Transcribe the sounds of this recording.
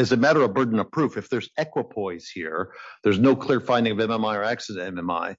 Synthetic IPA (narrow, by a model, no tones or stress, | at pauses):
ɨzɨmæɾə˞əbɜ˞dⁿn̩ʌ̥pʰɹ̥ufɨfðə˞zɛkwəpʰɔɪz̥hiɹðə˞znoʊkʰl̥ˠɪɹfãɪ̃ndɪ̃ŋʌvɛ̃mɛ̃maɪə˞æksɨsɛ̃mɛ̃ma̰ɪ